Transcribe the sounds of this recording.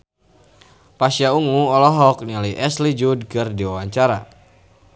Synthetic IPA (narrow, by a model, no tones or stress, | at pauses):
pasiauŋuɔlɔɦɔk̚nialiʔɛslid͡ʒudkɨrdiwawaɲt͡ʃaɾa̰